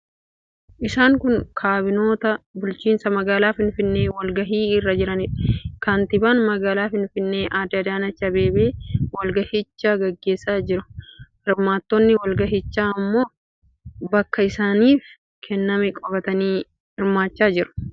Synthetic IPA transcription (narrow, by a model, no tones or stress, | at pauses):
ʔɪsaːŋkʊŋkʰaːbɪno̞ːt̪ɐbʊlt͡ʃiːnsɐmɐɡaːlaːfɪnfɪnːeːwɐlɡɐɦiːɪrːɐd͡ʒɪɾɐnɪkɐnt̪ɪbaːnmɐɡaːlaːfɪnfɪnːe̞ːʔaːd̪ɐd̪aːnɐt͡ʃːɐbe̞ːbeːwɐlɡɐhɪt͡ʃːaːɡɐɡːe̞ːsːaːd͡ʒɪɾʊhɪɾmaːt̪ːɔnːɪwɐlɡɐɦɪt͡ʃːaːɐmːo̞ː | bɐkːɐɪsaːniːf | kʰɛnːɐmɛkʼɔbɐt̪ɐniː | hɪɾmaːt͡ʃːaːd͡ʒɪɾʊ̥